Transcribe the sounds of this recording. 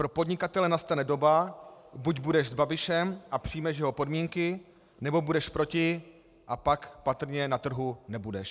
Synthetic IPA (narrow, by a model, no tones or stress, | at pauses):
pɾo̞podɲɪkat̪ɛlɛnast̪anɛdo̞babuɟbudɛʒzbabɪʃɛmʔapr̝̥ijmɛʃjɛɦo̞po̞dmiːŋkɪ | nɛbo̞budɛʃpɾo̞cɪ | ʔapakpat̪r̩ɲɛnat̪r̩ɦunɛbudɛʃ